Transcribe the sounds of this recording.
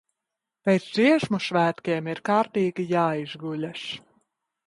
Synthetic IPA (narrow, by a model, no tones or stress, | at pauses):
pʲɛjt̪sd̪ziɛʃmuʃvæːt̪kʲeɛmiɾkaːɾt̪iːɡʲijaːizɡulʲas